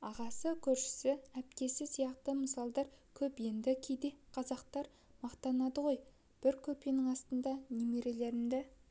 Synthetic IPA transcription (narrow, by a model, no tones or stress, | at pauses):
ɑʁɑsəkʲʰɵɾʃɪ̥sɪæp̚k̪ʲe̞sɪsijɑqt̪əməsɑlˠd̪ɑɾkʲʰɵpje̞nd̪ɪkʲʰejd̪e̞qʰɑzɑqt̪ɑɾ | mɑqt̪ɑnɑd̪əʁo̞j | b̥ɪɾkʲʰɵpenɪŋɑst̪ənd̪ɑnemeɾe̞le̞ɾɪmd̪ɪ